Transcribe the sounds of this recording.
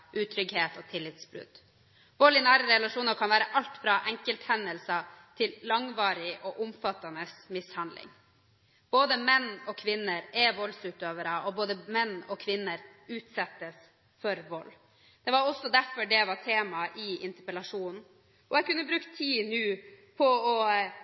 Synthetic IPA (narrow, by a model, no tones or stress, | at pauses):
ʔʉːt̪ʰɾʏɡheːt̪ɔt̪ʰɪlːɪt̪sbɾʉ̰d̪̥ | ʋɔlɪnæːɾəɾɛlɑʂuːnəɾkʰɑnʋæːɾəʔɑlt̪fɾɑʔɛŋkəlt̪hɛnːəlsɑt̪ʰɪllɑŋʋɑːɾɪʔɔʔʊmfɑt̪ɑnəsmɪshɑnd̪lɪ̰ŋ | b̥oːd̪əmɛnːɔkʰʋɪnːəɾɛʋɔlsʉːt̪øːʋəɾɑɔboːd̪əmɛnːɔkʰʋɪnːəɾʉːt̪sɛt̪ːəs | fɔɾʋɔlː | d̪̥ɛʋɑɾɔsːɔd̪æɾfɔɖɛʋɑɾt̪ʰeːmɑʔɪɪnt̪əpəɛlɑʂuːnn̩ | ʔɔɛkʉnːəbɾʉːkt̪ʰiːnʉː | pʰɔɔ